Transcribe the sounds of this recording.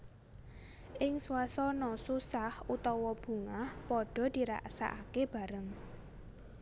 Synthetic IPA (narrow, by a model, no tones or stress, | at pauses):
ʔɪŋsuasɔnɔsusahut̪ɔwɔb̥ṳŋahpɔɖ̥ɔ̤d̪̥i̤ɾa̰ʔsa̰ʔakeb̥a̤ɾəŋ